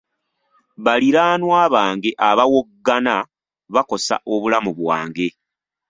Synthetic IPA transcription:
βaliɾaːnwaːβaːŋɡe̞ʔaβawoɡːana | βako̞sa̰ʔo̞βulamuβwa̰ːŋɡe̞

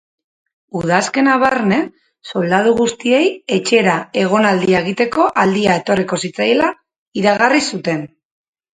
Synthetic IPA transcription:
uð̞aske̞naβaɾne̞ | so̞ld̪aðuɣust̪ie̞je̞t͡ʃe̞ɾae̞ɣ̞o̞nald̪iaeɣ̞it̪e̞ko̞ʔald̪iae̞t̪o̞riko̞sit͡sajela | iɾaɣarisut̪e̞n

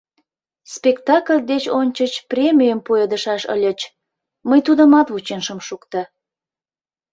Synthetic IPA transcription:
spʲekt̪ɑkəlʲd̪et͡ɕonʲt͡ɕət͡ɕprʲemʲijəmpued̪əʃɑʃə̰lʲət͡ɕ | məjt̪ud̪əmɑt̪βut͡ɕenʃəmʃukt̪ə

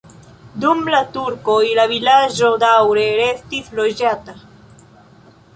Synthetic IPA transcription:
d̪umblat̪uɾkoilaβilaʒod̪awɾeɾeθt̪iθloʒat̪a

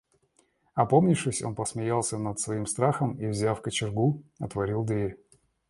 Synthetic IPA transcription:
ɐpo̞mnʲɪfʂɨsʲo̞̰npəsmʲɪjalˠsʲənət̪svɐimst̪ɾaxəmivzʲaffkət͡ɕɪrɡuɐt̪vɐɾʲilˠd̪vʲeɾʲ

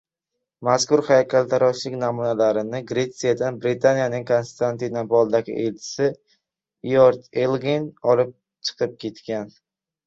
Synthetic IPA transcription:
maskʊɾhajakʲʰalt̪ʰaɾɒʃlɪkʲnamunalaɾɪnɪɡɾe̞t̪sijad̪anbɾɪt̪ʰanijanɪŋkʰonst̪ʰant̪inabɒlˠd̪aɡʲɪ̰ʔelt͡ʃʰɪ̥sɪ | joɾt̪elˠɡinɒlɪp̚ | t͡ʃʰɨ̥qʰɨp̚kʲʰe̞t̪kʲan

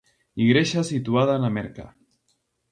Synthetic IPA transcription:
iɣɾeʃasit̪uað̞aːnamɛɾka̰

